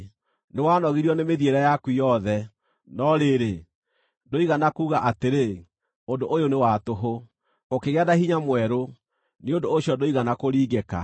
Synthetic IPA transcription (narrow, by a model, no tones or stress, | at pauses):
newaːnɔɣiɾiɔnemeðieɾɛjakwijɔðɛ | nɔɾeɾe | doiɣanakuːɣaʔateɾe | ondoʔojonewatoɦo | okeɣeadahiɲamwɛɾo | niondoːɕjɔdoiɣanakoɾiːɣeka̰